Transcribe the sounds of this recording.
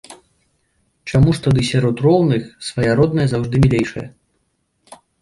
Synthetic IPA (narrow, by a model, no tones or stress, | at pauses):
t͡ʂamuʂt̪ad̪ɨsʲaɾɔt̪rɔwnɨxsvɐjaɾɔd̪nɐjɐzawʐd̪ɨmʲilʲejʂɐjɐ̰